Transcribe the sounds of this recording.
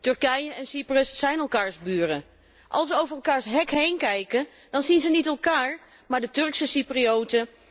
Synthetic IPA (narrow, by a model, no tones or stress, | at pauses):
tɵɹkɛjəɛnsiprəsːɛjnɛlˠkaːɹzbyːrə | ʔɑ̰lˠsʋəowvərɛlˠkaːɹsɦɛkɦejnkɛjkən | d̥ɑnzinzənitɛlˠkaːɹ | maːɹdətɵɹksəsipriowtə